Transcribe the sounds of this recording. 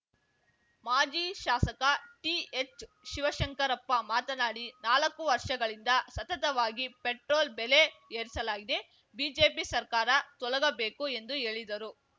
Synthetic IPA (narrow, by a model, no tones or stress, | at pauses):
maːd͡ʒiːʃaːsɐkɐʈiet͡ʃ | ʃiʋɐʃɐŋkɐɾɐpːɐmaːt̪ɐnaːɽinaːlɐkːuʋɐɾʂɐɡɐɭind̪ɐsɐt̪ɐt̪ɐʋaːɡipeʈɾoːlbeleeːɾisɐlaːɡid̪e̞ | biːd͡ʒeːpisɐɾkaːɾɐt̪ɔɭɐɡɐbe̞ːkue̞nd̪uɦe̞ːɭid̪ɐɾu